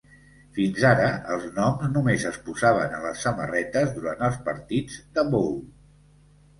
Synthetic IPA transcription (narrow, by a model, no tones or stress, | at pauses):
finzaɾəəlˠznɔmznumezəspuzaβ̞ə̰nələsːəmə̰rɛt̪əzðuɾant̪əlˠspəɾt̪id͡zd̪əβol